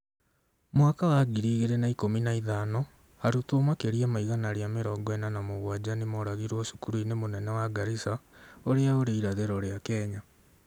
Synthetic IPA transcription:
mwakawaɡiɾiːɣeɾenaikominaiðaːnɔ | haɾutoːmwakeɾiamaiɣanaɾjameɾɔːɡɔɛnanamoɣwad͡ʑanemɔɾaɣiɾwɔʃu̥kuɾuinemonɛnɛwaɡaɾisaoɾeaoɾeiɾaðeɾɔɾeakɛːɲa

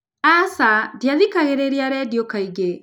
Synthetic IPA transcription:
asadjaðikaɣeɾeɾiaɾɛdjokaiɡe

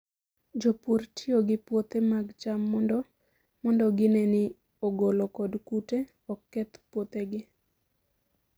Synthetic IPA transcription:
d͡ʒopurtʰioɡɪpwot̪emaɡt͡ʃamːɔndɔ | mɔndɔɡɪnenɪ | oɡolokɔdkute | ɔkːɛt̪pwot̪eɡɪ

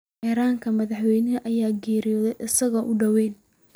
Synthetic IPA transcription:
ɛːɾaːŋkʰɐmɐðɑħwɛjnɐɐʔɐjaːɡɛːɾɪjɔːðɛjʔɪsɐɣɐʔʊɖɐwɛːn

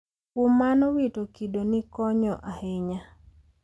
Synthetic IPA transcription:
kʊmanɔwitokidonɪkɔɲɔʔahɪɲa

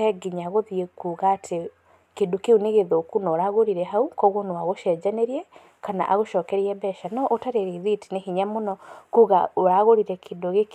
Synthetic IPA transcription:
ɛɡiɲaɣoðiekuːɣaːtʰe | kedokeuneɣeðokunɔːɾaɣoɾiɾɛɦaukɔɣonwaɣoʃɛd͡ʑaneɾiɛ | kana̰ʔaɣoʃɔːkɛɾiɛbɛʃanɔʔotaɾeɾiðiti̥nehiɲamonɔkuːɣaoɾaɣoɾiɾɛkʰendoɣek

